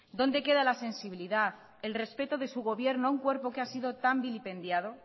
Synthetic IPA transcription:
d̪o̞nd̪e̞ke̞ðalase̞nsiβiliðaθ | e̞lre̞spe̞t̪o̞ðe̞suɣo̞βje̞ɾnoauŋkwe̞ɾpo̞keasiðo̞t̪ambilipẽ̞nd̪jaðo̞

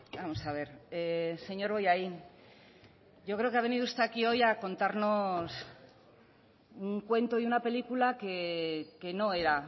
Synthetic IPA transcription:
bamo̞saβ̞e̞ɾse̞ɲo̞ɾo̞jai | ʝo̞kɾeokeaβe̞niðust̪akio̞jako̞nt̪aɾno̞s | uŋkwe̞nt̪oiunape̞likulakeke̞no̞e̞ɾa

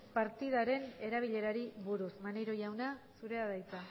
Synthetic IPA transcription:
paɾt̪ið̞aɾe̞ne̞ɾaβ̞iʎe̞ɾaɾiβuɾusmanejɾo̞jawnasuɾe̞aðajt͡s̪a

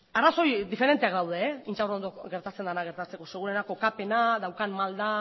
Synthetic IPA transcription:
araso̞jd̪ife̞ɾe̞nt̪eakd̪awð̞e̞int͡ʃawrond̪oɡe̞ɾt̪at͡se̞nd̪anaɣ̞e̞ɾt̪at͡se̞ko̞seɣ̞uɾenako̞kape̞naðawkanmald̪a

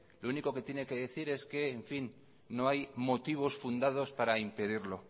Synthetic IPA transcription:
louniko̞ke̞t̪je̞ne̞ke̞ðe̞θiɾe̞ske̞ːɱfinː | o̞ajmo̞t̪iβ̞o̞sfund̪að̞o̞spaɾaimpe̞ðiɾlo̞

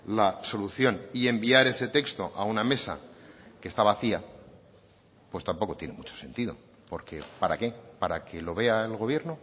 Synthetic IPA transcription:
laso̞luθjo̞nie̞mbiaɾe̞se̞t̪e̞kst̪o̞ʔauname̞sa̰kest̪aβaθia | pwe̞st̪ampo̞ko̞t̪je̞ne̞mut͡ʃose̞̰nt̪ið̞o̰ | po̞ɾkʰe̞paɾake̞paɾakʰe̞lo̞βe̞aelɣ̞o̞β̞je̞ɾno̞

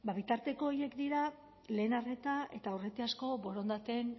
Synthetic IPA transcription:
baβit̪aɾt̪e̞ko̞ːje̞kd̪iɾa | le̞ːnare̞t̪aʔe̞t̪aure̞t̪easko̞bo̞ɾo̞nd̪at̪e̞n

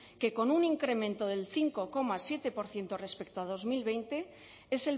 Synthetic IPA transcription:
ke̞ko̞nuniŋkɾe̞mẽnt̪oð̞e̞lθiŋko̞ko̞masje̞t̪e̞po̞ɾθje̞nt̪ore̞spek̚t̪oað̞o̞zmilβ̞e̞jnt̪e̞ | ese̞l

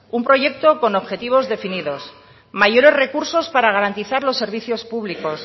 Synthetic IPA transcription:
umpɾo̞ʝe̞kt̪o̞ko̞no̞βxe̞t̪iβ̞o̞zðe̞finiðo̞s | maʝo̞ɾe̞zre̞kuɾso̞spaɾaɣaɾant̪iθaɾlo̞sːe̞ɾβ̞iθjo̞spuβliko̞s

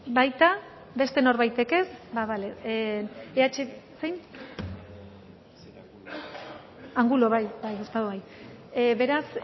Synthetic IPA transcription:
bajt̪a | be̞st̪e̞no̞ɾβajt̪e̞ke̞sbaβale | eat͡ʃesejn | aŋɡulo̞βajbajest̪aðoβaj | βe̞ɾas

